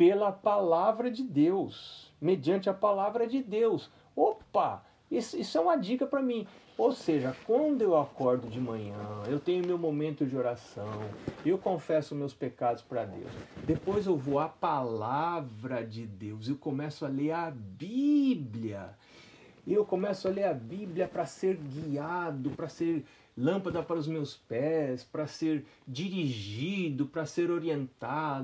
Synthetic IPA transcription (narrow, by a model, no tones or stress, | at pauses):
pelɐpalavɾɐd͡ʒɪd̪ewsmed͡ʒiɐ̃nt͡ʃɪɐpalavɾɐd͡ʒɪd̪ews | opɐ | isisʊɛũmɐd͡ʒikɐpɾɐmĩ | owseʒɐkwɐ̃nd̪ʊewakɔɾd̪ʊd͡ʒɪmɐ̃ɲɐ̃ewt̪ẽj̃ʊmewmomẽnt̪ʊd͡ʒɪoɾasɐ̃w̃ɪewkõfɛsʊmewspekad̪ʊ̥spɾɐd̪ḛwsd̪epojzewvowapalavɾɐd͡ʒɪd̪ewzewkõmɛsʊaleɾɐbibliɐ̰ | ɪewkõmɛsʊaleɾɐbibliɐpɾɐseɾɡiad̪ʊpɾɐseɾ | lɐ̃mpɐd̪ɐpaɾʊzmewspɛspɾɐseɾd͡ʒiɾiʒid̪ʊpɾɐseɾoɾiẽnt̪ad̪